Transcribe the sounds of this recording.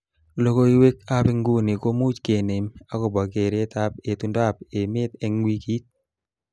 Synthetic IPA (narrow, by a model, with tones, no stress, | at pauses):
lo˦ko˦i˦we˦k̚a˦pɪ˦ŋɡu˦ni˨ko˦mu˦t͡ʃke˨ne˨ma˦kɔ˨bɔ˨ke˨ɾe˦t̪a˦pe˨tu˨nda˦p̚e˨mɪ˦t̪ɛ˦ŋwi˦ki˦t̪̚